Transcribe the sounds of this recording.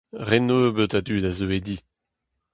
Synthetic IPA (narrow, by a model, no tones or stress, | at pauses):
ʁɛnøːbøt̪ad̪yːd̪azøed̪i